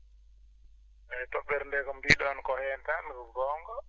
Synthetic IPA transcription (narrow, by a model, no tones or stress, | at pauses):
ɛtɔɓɛɾndɛkamdiɗɔankɔhɛntanɡɔɡɔːŋɡɔ